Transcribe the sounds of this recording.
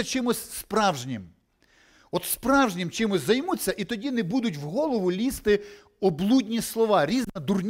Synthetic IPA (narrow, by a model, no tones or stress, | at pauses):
ɐt͡ʃɪmʊsʲspɾɑwʒnʲɪm | ɔt̪spɾɑwʒnʲɪmt͡ʃɪmʊsʲzɐjmut͡sʲːɐʔit̪ɔdʲinɛbud̪ʊtʲwɦɔlˠɔʋʊlʲist̪ɪ | ɔblˠudʲnʲislˠɔʋɑɾʲiznɐd̪urnʲ